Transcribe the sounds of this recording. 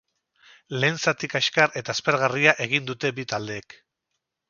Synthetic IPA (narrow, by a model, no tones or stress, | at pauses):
le̞ːnt͡sat̪ikaʃkare̞t̪aespeɾɣ̞ariaʔe̞ɣ̞ind̪ut̪e̞bit̪ald̪e̞ːk